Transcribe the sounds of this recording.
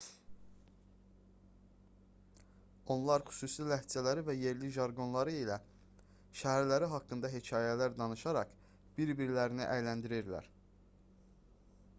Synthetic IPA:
o̞nlˠɑɾχy̥suːsilæhd͡ʒælæɾivæje̞ɾliʒɑɾɡo̞nlˠɑɾɯilæ | ʃæɦæɾlæɾiɦɑkːɯnd̪ɑɦe̞cʰɑːjælæɾd̪ɑnɯʃɑɾɑχ | b̥iɾbiɾlæɾiniʔæjlænd̪iɾiɾlæ̰ɾ

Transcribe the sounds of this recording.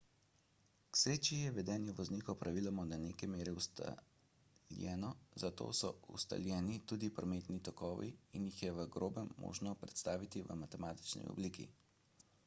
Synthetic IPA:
ksɾeːt͡ʃijɛʋɛd̪ɛːnjɛʋɔznikɔpɾaʋiːlamɔnaneːkɛmeːɾɛust̪a̰ | ljɛ̰ːnɔzat̪o̰ːsɔṵst̪a̰ljɛːnit̪uːd̪ipɾɔmeːt̪nit̪ɔkɔːʋḭːnjixjɛʋəɡɾoːbɛmːo̰ːʒnɔpɾɛt̪st̪aːʋit̪iʋə̰mat̪ɛmaːt̪i̥t͡ʃnḭɔ̰bliːkḭ

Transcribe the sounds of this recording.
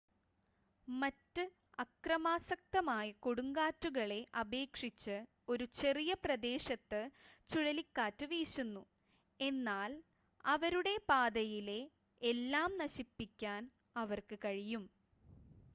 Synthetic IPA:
mɐtːɨ | ɐkrɐmaːsɐk̚t̪ɐmaːjɐkoɽuŋɡaːtːuɣɐɭe̞ʔɐbe̞ːkʂit͡ɕːɨ | o̞ɾut͡ɕe̞rijɐprɐd̪e̞ːɕɐt̪ːɨt͡ɕuɻɐlikːaːtːɨʋiːɕunːu | e̞nːaːl | ɐʋɐɾuɽe̞paːd̪ɐjile̞ | elːaːmnɐɕipːikʲːaːn | ɐʋɐrkɨkɐɻijum

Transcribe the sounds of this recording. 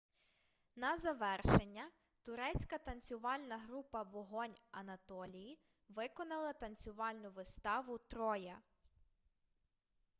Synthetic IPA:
nɐzɐʋɛrʃenʲːɐ | t̪ʊɾɛt͡sʲkɐt̪ɐnʲt͡sʲʊʋɑlʲnɐɦɾupɐʋɔɦɔnʲɐnɐt̪ɔlʲiji | ʋɪkɔnɐlˠɐt̪ɐnʲt͡sʲʊʋɑlʲnʊʋɪst̪ɑʋʊt̪ɾɔjɐ

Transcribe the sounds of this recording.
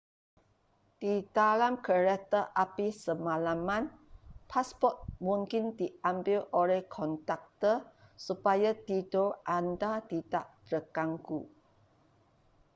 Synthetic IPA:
d̥idalamkəɾɛt̪əʔapisəmalamãnpʰaspɔt̪̚mũŋkɪndiambɪlolɛhkʰɔnt̪ak̚t̪əsupajad̪idoʔandad̪itaʔd̪ɾəkaŋku

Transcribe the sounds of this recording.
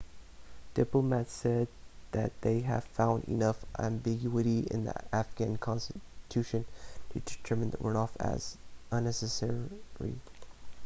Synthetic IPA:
d̥ɪpləmætsɛd̪̚ðɨt̪̚ðeɪɨ̰v̥fãʊ̃ndḭnʌfæ̰̃mbɪɡjuɨɾiɪ̰̃nðḭæfɡ̥æ̃nkʰɑ̃nstɨtʰʉʃɨ̃ntʰɨdɨtʰɜ˞mɨ̃nðəʔənɔfɨ̰z̥ə̃nːɛsɨsɛɹḭ

